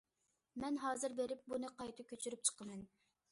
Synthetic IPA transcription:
mɛnɦɑːzɨɾbeɾɪp̚bunɨqɑjt̪ʰɨkʲʰøt͡ʃʰyɾyp̚t͡ʃʰə̥qʰəmɛn

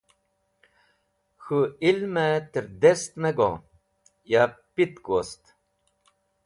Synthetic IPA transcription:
xuilmɛt̪iɾd̪est̪nɛɡo̰ | japit̪kost̪

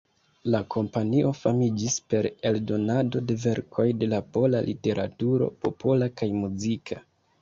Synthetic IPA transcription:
lakʰo̞mpaniʔo̞famid͡ʒispe̞ɾe̞ldo̞nado̞de̞ve̞ɾkʰo̞jde̞lapo̞lalʔite̞ɾʔatuɾo̞̰po̞po̞lakajmuzikʰa

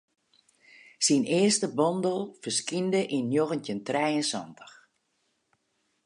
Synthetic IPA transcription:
sinɪəstəbɔndəlˠfərskindəʔinːjoɣəntjəntrɛjənsɔ̰ntə̥x

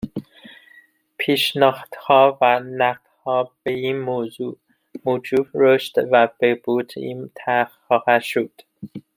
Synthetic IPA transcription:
pʰiːʃnɒːhd̪̥hɒːvænæq̚d̪̥hɒːb̥e̞iːnmoːzuː | moːd͡ʒuːbɾoʃt̪væb̥eb̥uːt̪ʰḭnt̪ʰæxxɒːhæʃod̪̥

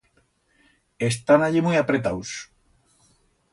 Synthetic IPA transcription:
est̪anaʎimujapɾet̪aws

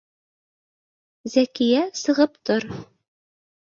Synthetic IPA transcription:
zækijæsɤ̆ʁɤpt̪oɾ

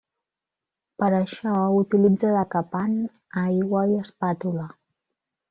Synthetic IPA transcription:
pəɾəʃɔut̪ilid͡zəðəkəpan | ajɣwəiəspat̪ulə

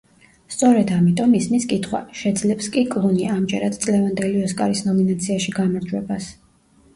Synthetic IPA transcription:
st̪sʼɔɾɛd̪amit̪ʼɔmismiskʼit̪ʰχwa̰ʃɛd̪zlɛpskʼikʼlˠuniaːmd͡ʒɛɾad̪̥t̪sʼlɛvand̪ɛliɔskʼa̰ɾisnɔminat̪sʰiaʃiɡamaɾd͡ʒwɛbas

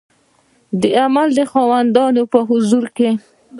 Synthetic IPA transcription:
d̪əamald̪əxɑwand̪ɑnopəɦʊzuɾke

